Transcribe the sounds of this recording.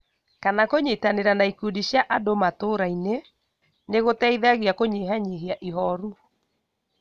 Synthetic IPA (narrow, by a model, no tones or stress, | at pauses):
kanakoɲetaneɾanaikudiɕjaʔadomatoːɾaine | neɣotɛiðaɣiakoɲeɦaɲeɦeaʔiɦɔɾu